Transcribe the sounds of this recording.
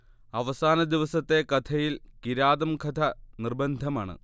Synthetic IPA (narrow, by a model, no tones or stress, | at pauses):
ɐʋɐsaːnɐd̪iʋɐsɐt̪ːe̞kɐt̪ʰɐjilkiɾaːðɐmkʰɐt̪ʰɐnirbɐnd̪ʱɐmaːɳɨ̰